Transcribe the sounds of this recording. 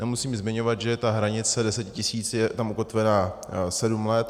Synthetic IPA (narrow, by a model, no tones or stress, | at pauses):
nɛmusiːmzmɪɲo̞vad̪ʒɛt̪aɦɾaɲɪt͡sɛdɛsɛcɪcɪsiːt͡sjɛt̪amʔuko̞t̪vɛnaː | sɛdumlɛt̪